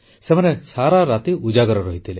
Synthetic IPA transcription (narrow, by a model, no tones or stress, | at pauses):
semɔnesaɾaɾat̪iud͡ʒaɡɔɾɔɾɔɦit̪ʰile